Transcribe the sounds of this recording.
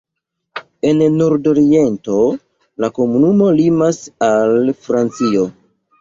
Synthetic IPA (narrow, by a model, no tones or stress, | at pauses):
e̞nːoɾdo̞ɾie̞nto̞ | lako̞munumo̞limasalfɾant͡sio̞